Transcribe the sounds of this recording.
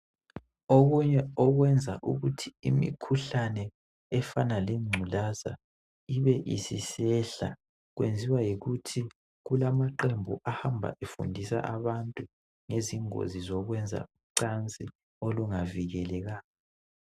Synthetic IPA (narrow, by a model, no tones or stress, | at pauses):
oɣuɲɛɔɣwɛnd͡zʱaʔṵɣutʰiimḭkʰuɬanɛ | ɛfanaliŋ͡ǀʱulaza̰ | iβɛʔḭsisɛɬa | ɣwḛnd͡zʱiwajiɣutʰi | ɣulamaǃembʱuʔahambʱa̰ʔefṵndʱisa̰ʔaβantʼu | ŋeziŋo̰zizɔɣwɛnd͡zʱa̰uǀant͡sʼi | oluŋaviɣɛlɛɣaːɔ